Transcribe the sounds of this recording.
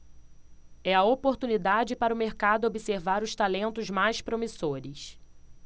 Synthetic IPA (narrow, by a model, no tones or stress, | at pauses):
ɛɐopoɾt̪unid̪ad͡ʒɪpaɾʊmeɾkad̪ʊobiseɾvaɾʊʃt̪alẽnt̪ʊzmajʃpɾomisoɾɪs